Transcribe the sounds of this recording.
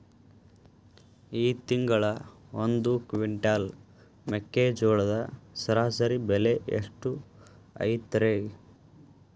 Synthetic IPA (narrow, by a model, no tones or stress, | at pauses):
iːt̪iŋɡɐɭɐ | ond̪ukʋiɳʈaːl | mekːeːd͡ʒoːɭɐd̪ɐsɐɾaːsɐɾibeleḛʂʈu | ɐ̰jt̪ːɐɾe